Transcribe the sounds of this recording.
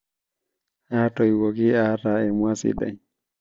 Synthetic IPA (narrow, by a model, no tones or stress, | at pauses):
hatɔjwoɡiataɛmwasḭɗa̰j